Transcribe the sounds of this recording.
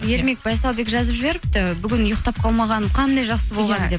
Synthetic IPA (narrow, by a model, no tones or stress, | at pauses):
je̞ɾme̞k̚bɑjsɑlˠbe̞kʒɑzəpʒɪbe̞ɾɪp̚t̪ɪbʏɡʲɪnʊjəq̚t̪ɑp̚qʰɑlˠmɑʁɑnqʰɑnd̪ɑjʒɑqsəbo̞lˠʁɑnd̪e̞p